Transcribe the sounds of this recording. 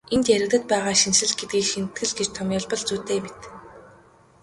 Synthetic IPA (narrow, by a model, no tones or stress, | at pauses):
ent̪jæɾɘ̆kt̪ɘ̆t̪̚pæːʁaːʃinʃɘ̆ɮɡet̪̚ɡiːkʃint̪ɡɘ̆ɮɡet͡ɕt̪ʰɔmʲjʊɮpɞ̆ɮt͡suːt̪eːmet̪